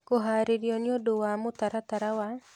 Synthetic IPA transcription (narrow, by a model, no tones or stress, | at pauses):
koɦaɾiɾjɔniodowamot̪aɾat̪aɾawa